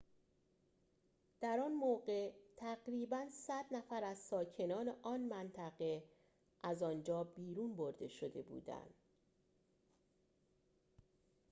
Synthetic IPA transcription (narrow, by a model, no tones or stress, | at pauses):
d̪̥æɾɒːnmoɒːɢe̞t̪ʰæɣɾiːbænsæd̪næfæɾæzsɒːcʰe̞nɒːneʔɒːnmænt̪ʰæɣe̞ | ʔæzɒːnd͡ʒɒːbiːɾuːnboɾd̪e̞ʃo̞d̪e̞bṵːd̪æ̰nd̪̥